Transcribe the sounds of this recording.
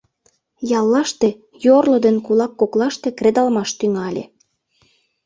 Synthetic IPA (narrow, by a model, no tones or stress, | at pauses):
jɑlːɑʃt̪e | jorlod̪enkulɑkːoklɑʃt̪ekred̪ɑlmɑʃt̪yŋɑlʲḛ